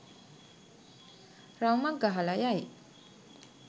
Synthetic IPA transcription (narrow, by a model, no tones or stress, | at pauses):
rawmaɡaɦalajaj